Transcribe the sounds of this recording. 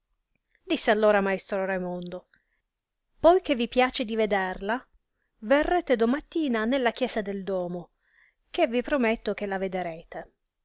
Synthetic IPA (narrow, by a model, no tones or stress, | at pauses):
d̪isːealːoːɾamaest̪ɾoɾejmond̪o | pɔjkevːipjaːt͡ʃed̪ived̪erla | verːeːt̪ed̪omat̪ːiːnanelːakjɛːsad̪eld̪ɔːmo | k̟evːipɾomet̪ːok̟elːaved̪eɾeːt̪e